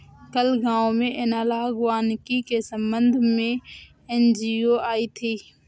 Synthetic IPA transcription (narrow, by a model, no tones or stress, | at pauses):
kəlɡãːomẽʔeːnaːlaːɡʊʋaːnkikesə̃mbə̃nd̪ʱmẽ | eːnd͡ʒiːoːaːit̪ʰiː